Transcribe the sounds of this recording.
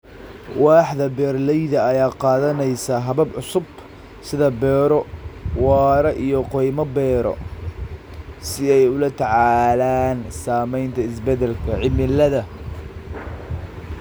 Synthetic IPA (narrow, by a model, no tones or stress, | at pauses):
wɑːħðɐbɛːrlɛjðɐːjaːqɑːðɐnɛjsɐɦɐβɐbʕʊsʊb | sɪðɐbɛːɾɔwɑːɾɐʔijɔqɔjmɐbɛːɾɔ̰ | sɪɛjʊlɐt̪ʰɐʕɑːlaːnsaːmɛjnt̪ʰɐɪsbɛd̪ɛlkʰɐʕɪmɪlɐðɐ